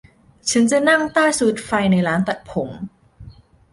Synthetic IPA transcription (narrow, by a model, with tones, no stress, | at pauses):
t͡ɕʰa˦˥nt͡ɕa˨˩ʔna˥˩ŋt̪aː˥˩jsuː˨˩t̪̚fa˧jna˧jɾaː˦˥nt̪a˨˩t̪̚pʰo˩˦m